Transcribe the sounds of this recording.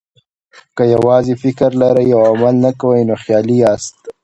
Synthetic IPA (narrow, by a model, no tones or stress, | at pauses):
kajawɑzifɪkəɾlaɾajawamalnakawəjnoxjɑːlijɑst̪